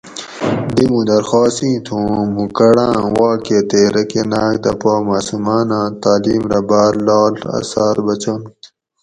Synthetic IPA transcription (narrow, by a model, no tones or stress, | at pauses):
d̪imũd̪ɐɾxaːsĩːt̪ʰũːmukɐɽãːwaːkeːt̪eɾɐkenaːk̚d̪ɐpaːmaːsumaːnãːt̪aːliːmɾɐbaːɾlaːlɐ̰saːɾbɐt͡ɕoːnit̪